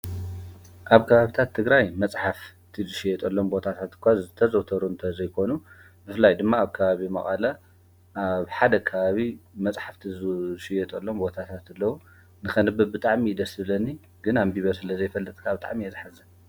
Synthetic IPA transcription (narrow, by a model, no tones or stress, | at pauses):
ʔaβkʰɐβaβit̪ʰat̪ʰːɨɡɾajmɐt͡sʼħaf | t̪ʰizɨʃɪjɛt̪ʼɐlːo̞mbo̞t̪ʰat̪ʰat̪ɨ̥kʷazɨt̪ʰɐzɐwt̪ʰɐɾuɨnt̪ʰɐzɐjkʰo̞nu | bɨfɨlːajd̪ɨmːaːβkʰɐβaβimɐ̰χʼɐla | ʔaβħad̪ɐkʰɐβaβimɐt͡sʼħaft̪ʰizʃɪjɛt̪ʼɐlːo̞mbo̞t̪ʰat̪ʰat̪ɨlːɐwu | nɨxɐnɨbɨbɨt̪ʼaʕmid̪ɐsɨβlɐnːi | ɡ̥ɨnambiβɐɾsɨlɐzɐjfɐlːɐt̪ʼkʰabɨt̪ʼa̰ʕmijɛzħazɐ